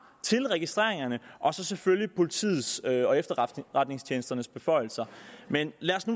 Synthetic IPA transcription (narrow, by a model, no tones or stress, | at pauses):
t͡sʰe̝lʁɛɡ̥isd̥ʁḛɐe̝ŋɐnəʔɒ̽sɒ̽seføljipʰo̝lit͡sʰḭːð̩ˠsøɒ̽efd̥ɐʁad̥ne̝ŋst͡ɕʰjeːnəsd̥ɐnəsb̥e̝fɒ̽ɪl̩sɐmenlæɐsnu